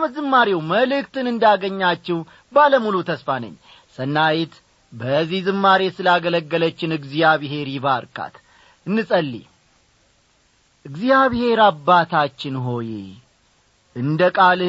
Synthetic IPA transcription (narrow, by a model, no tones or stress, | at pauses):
məzɨmːaɾewməlɨkt̪ɨnɨnd̪aɡəɲːat͡ʃːɛw | baləmulut̪ʰəsfanə̰ɲː | sənːajet̪ | bəzihzɨmːaɾesɨlaɡələɡːələt͡ʃːɪnɨɡzijaβɦe̞ɾiβaɾkʼa̰t̪ | ɨnːɨsʼəlːḭ | ʔɨɡzijaβhe̞ɾabːat̪ʰat͡ʃːɪnɦo̞jḛ | ɨnd̪əkʼal